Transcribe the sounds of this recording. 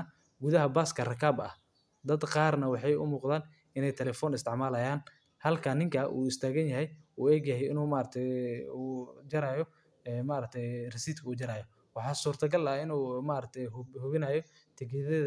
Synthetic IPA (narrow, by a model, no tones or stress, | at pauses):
ɐ | ɡʊðɐɦɐbaːskʰɐrɐkʰaːbɐ̰h | d̪ɐd̪qɑːrnɐwɑħɑjʊ̰muːqðaːn | ɪnɛjt̪ʰɛlɛːfɔːnɪst̪ɪʕmaːlɐjaːn | hɐlkʰanːɪŋkʰɐʔṵːɪst̪ʰaːɣɐnjɐɦɛjuːɛɡjɐɦɛjɪ̰nuːmaːɾɐt̪ʰɛud͡ʒɐɾaːjɔ | ɛːmaːɾɐk̚t̪ʰɛjrɛsiːt̪kʰɐuːd͡ʒɐɾaːjɔ | wɑħɑːsuːrt̪ʰɐɡɐlːɪnuːmaːɾɐk̚t̪ʰɛjhʊβɪnaːjɔ | t̪ʰɪɡɛðɛð